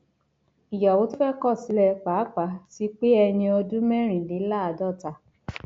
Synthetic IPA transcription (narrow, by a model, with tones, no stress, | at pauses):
i˨ja˨wo˨˦tu˦fɛ˦kɔ˦˨si˨˦lɛ˧k͡pa˨˦k͡pa˨˦ti˦k͡pe˦ɛ˧j̃ĩ˧ɔ˧dũ˦mɛ̃˦ɾ̃ĩ˨li˨˦la˦a˨˧dɔ˦˨ta˧